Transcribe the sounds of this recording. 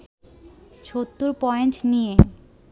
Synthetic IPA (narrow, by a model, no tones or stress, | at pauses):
ʃot̪ːuɾpɔenʈnije